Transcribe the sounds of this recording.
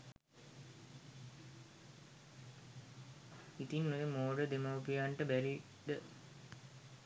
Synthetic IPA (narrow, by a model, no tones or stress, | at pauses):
it̪inːojəmoːɖəd̪emaupijaɳʈəbæɾi | ɖ̪ə